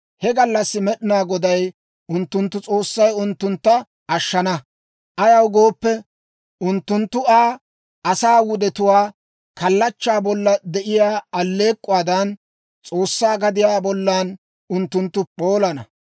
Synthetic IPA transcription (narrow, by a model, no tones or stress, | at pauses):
hɛɡɐlːɐsːɪmɛɗɪnaːɡɔd̪ɐj | ʔʊnt̪ːʊnt̪ːʊt͡sʼo̞ːsːɐjʊnt̪ːʊnt̪ːɐ | ʔɐʃːɐnɐ | ʔɐjɐwɡo̞ːpːɛ | ʊnt̪ːʊnt̪ːʊaː | ʔɐsaːwʊd̪ɛt̪ʊwaː | kɐlːɐt͡ʃːaːbɔlːɐd̪ɛʔɪjaːɐlːe̞ːkʼːʊwaːd̪ɐn | t͡sʼo̞ːsːaːɡɐd̪ɪjaːbɔlːaːn | ʊnt̪ːʊnt̪ːʊpo̞ːlɐnɐ̰